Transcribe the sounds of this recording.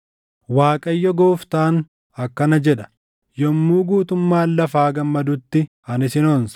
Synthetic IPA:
waːkʼɐjːɔɡoːft̪aːn | ɐkːɐnɐd͡ʒɛᶑɐ̥ | jɔmːuːɡuːt̪ʊmːaːlːɐfaːɡɐmːɐd̪ʊt̪ːɪ | ɐnɪsɪnons

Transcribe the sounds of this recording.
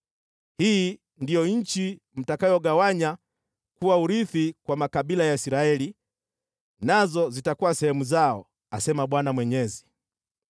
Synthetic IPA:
hiː | ndijɔɲ̩t͡ʃi | m̩takajɔɠawaɲa | kuwauɾiθikwamakaɓilajaisiɾaɛli | nazɔzitakuwasɛhɛmuzaɔ | asɛmaɓwanamwɛɲɛzi

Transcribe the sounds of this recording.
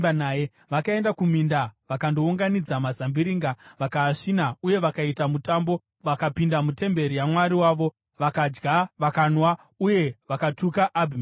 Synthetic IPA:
anaje | ʋakae̞ndakumindaʋakando̞uŋɡanid͡zamazambiɾiŋɡaʋakaːʂinauje̞ʋakaitamutambo̞ | ʋakapindamute̞mbe̞ɾijamwaɾiwaːʋo̞ | ʋakad͡ʒɡaʋakanwa | uje̞ʋakatukaʔːbʱim

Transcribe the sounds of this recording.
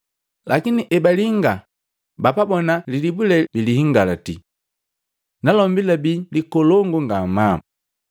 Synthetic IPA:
lakiniʔɛbaliŋɡa | bapabɔnalilibulɛbilihiŋɡalati | nalɔmbilabilikɔlɔŋɡuŋɡama

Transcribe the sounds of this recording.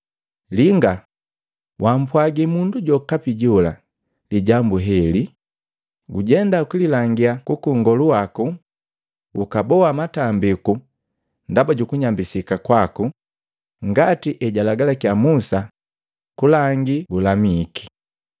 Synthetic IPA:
liŋɡa | wam̩pwaɡimunduɟɔkapiɟɔla̰ | liɟambuɦɛli | ɡuɟɛndakililaŋɡiakukuŋɡɔluwaku | ukabɔwamatambiku | ndabaɟukuɲambisikakwaku | ŋɡatiʔɛɟalaɡalakjamusa | kulaŋɡiɡulamiki̥

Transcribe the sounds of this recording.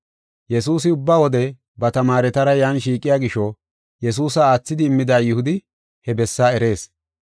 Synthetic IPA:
jɛsuːs̬ɪʊbːaːwɔd̪ɛ | bɐt̪ɐmaːɾɛt̪ɐɾɐjaːnʃiːkʼːɪjaːɡɪʃːɔ | jɛs̬uːsɐaːt͡sːɪd̪ɪːmːɪd̪aːjʊhʊd̪ɪ | hɛbɛsːaːɛɾe̞ːs

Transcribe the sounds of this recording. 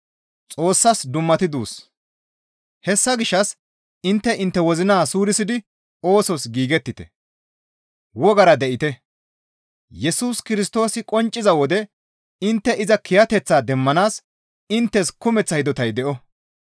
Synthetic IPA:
t͡sʼo̞ːsːɐsd̪ʊmːɐt̪ɪd̪uːs | hɛsːɐɡɪʃːɐs | ɪnt̪ːɛʔɪnt̪ːɛwɔzɪnaːsuːɾɪsɪd̪ɪ | o̞ːsɔsɡiːɡɛt̪ːɪt̪ɛ̰ | wɔɡɐɾɐd̪ɛʔɪt̪ɛ | jɛsuːskɪɾɪst̪o̞ːsɪkʼɔnt͡ʃʼːɪzɐwɔd̪ɛ | ɪnt̪ːɛʔɪzɐkʰɪjɐt̪ɛt͡sːaːd̪ɛmːɐnaːs | ɪnt̪ːɛskʊmɛt͡sːɐjd̪ɔt̪ɐjd̪ɛʔɔ

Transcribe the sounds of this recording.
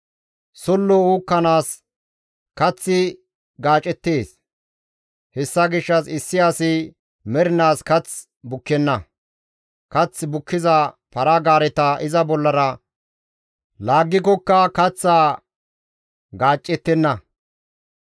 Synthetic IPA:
sɔlːɔuːkːɐnaːs | kɐt͡sːɪ | ɡaːt͡ʃʼːɛt̪ːeːs | hɛsːɐɡɪʃːɐsɪsːɪjaːsɪ | mɛɾɪnaːskɐt͡s | bʊkːɛnːɐ | kɐt͡sːbʊkːɪzɐ | pɐɾɐɡaːɾɛt̪ɐʔɪzɐbɔlːɐɾɐ | laːɡːɪk̬ɔkːɐkɐt͡sːaː | ɡaːt͡ʃʼːɛt̪ːɛnːɐ

